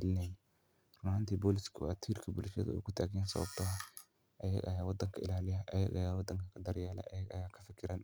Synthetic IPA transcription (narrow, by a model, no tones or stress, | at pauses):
lɪnen | rʊmhant̪iːbolɪskʰʊat̪ʰiːɾkʰɐbulʃɛ̰ð̰ɛ̰kʊt̪ʰaːɡɛjansɐ̰βɐ̰bt̪ʰɔɦa | ɐjɐ̰ʔɐ̰jaːwɐd̪ɐŋkʰɐɪ̰laːlɪjɐʔɐjɐ̰ɡɐjaːwɐd̪ɐŋkɐkʰɐd̪ɐɾjaːlɛ̰ʔɐjɐɡɐjaːkʰɐ̥fɪkʰɪɾɐn